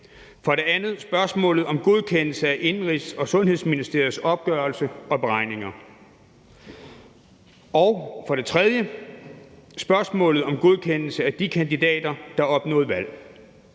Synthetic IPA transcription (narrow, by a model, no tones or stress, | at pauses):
fɒɾe̝ænð̞̩ˠsb̥ɶɐsmɔ̰̽ːlð̩ˠɒ̽mɡ̥o̝ð̞ˠkʰenl̩səæʔe̝nʁisɒ̽sɔ̽nhe̝ðˠsminisd̥ḛɐ̰ð̩ˠsɒ̽b̥̚ɡ̥œɐlsəɒ̽b̥eʁɑ̈ɪ̰ne̝ŋɐ | ɒʊfɒ̽ɾ̥e̝t͡sʰʁɛðˠjə | sb̥ɶɐsmɔ̰̽ːlð̞̩ˠɒ̽mɡ̥o̝ð̞ˠkʰen̰l̩səæd̥ikʰænd̥id̥ɛ̰ːd̥ɐd̥ɑ̈ɒ̽b̥nɔ̰̽ːð̩ˠʋæl̰